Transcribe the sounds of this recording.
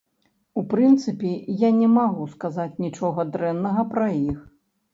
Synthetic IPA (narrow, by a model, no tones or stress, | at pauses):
upɾɨnt̪sɨpʲijanʲɛmaɣuskazat͡sʲnʲit͡ʂɔɣɐd̪ɾɛnːɐɣɐpɾɐjix